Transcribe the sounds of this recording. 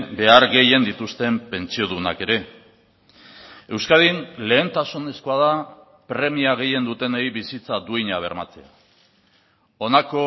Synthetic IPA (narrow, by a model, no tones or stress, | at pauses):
be̞aɾɣe̞je̞nd̪it̪ust̪e̞mpe̞nt͡sio̞ðuna̰ke̞ɾe̞ | e̞wskaðinle̞ːnt̪asune̞skoað̞a | pɾe̞miaɣ̞e̞je̞nd̪ut̪e̞nejβisit͡sad̪uiɲaβ̞e̞ɾmat͡sea | o̞nako̞